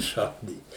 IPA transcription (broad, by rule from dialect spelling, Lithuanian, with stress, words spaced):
ˈʃɐʊdʲiːt